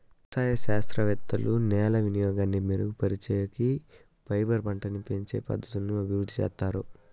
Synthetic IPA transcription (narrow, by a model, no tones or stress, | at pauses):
saːjɐʃaːst̪ɾɐʋɛt̪ːɐlunɛːlɐʋinijɔːɡaːnːimiːɾupɐɾit͡ʃɛːjɐki | pɐjbɐɾbɐɳʈɐnipeɲt͡ʃḛːpɐ̰d̪ɐt̪ɐnːuɐbʱiɾud̪ʱːit͡ʃɛ̰ːst̪ːaːɾu